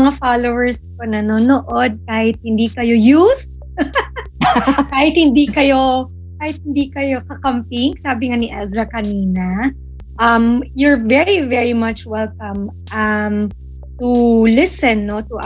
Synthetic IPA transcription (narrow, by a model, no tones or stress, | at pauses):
ŋafalowɛɹsponɐnonoʔod̪̚kaːhɪt̪̚hɪnd̪iːkɐjo̞juθ | kaːhɪt̪̚hɪnd̪ikɐjo̞ | kaːhɪt̪̚hɪnd̪ikɐjo̞kɐkɐmpɪŋsaːbɪŋaniʔɛlzɐkɐniːnɐ | ʔɐmjʊɹvɛɹivɛɹimɐt͡ʃwɛlkɐ̃m | ʔɐm | t̪ulɪsɛnːot̪uʔ